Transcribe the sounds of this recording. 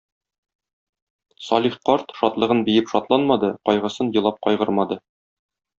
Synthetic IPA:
sɒlʲiχqɒɾt̪ʃɒt̪lˠɤ̆ʁɤnbijɘpʃɒt̪lˠɑnmɑd̪ɤqɒjʁɤ̆sɤnjɤ̆lˠɑp̚qɒjʁɤɾmɑd̪ɤ

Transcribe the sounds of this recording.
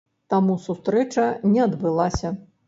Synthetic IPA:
t̪amusust̪ɾɛt͡ʂɐnʲɛɐd̪bɨlˠasʲɐ

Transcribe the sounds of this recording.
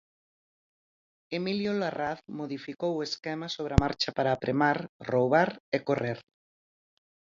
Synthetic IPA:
emiljolaraθmoðifikoweskɛmasoβɾeamaɾt͡ʃapaɾaːpɾʔemaɾrowβaɾekoreɾ

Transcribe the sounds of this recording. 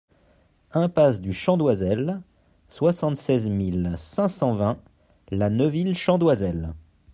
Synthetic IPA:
ɛ̃pasd̪yʃɑ̃d̪wazɛl | swasɑ̃t̪sɛzmilsɛ̃sɑ̃vɛ̃ | lanəvilʃɑ̃d̪wazɛl

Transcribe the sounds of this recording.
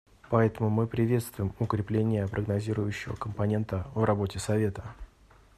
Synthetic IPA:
pɐɛt̪əmʊmɨpɾʲɪvʲe̞t̪st̪vʊjɪmʊkɾʲɪplʲenʲɪjəpɾʔəɡnɐzʲiɾʊjʉɕːɪvə̰kəmpɐnʲe̞nt̪əvrɐbo̞tʲɪsɐvʲe̞t̪ə

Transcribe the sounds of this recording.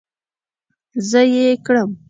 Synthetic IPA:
zəjekɽəm

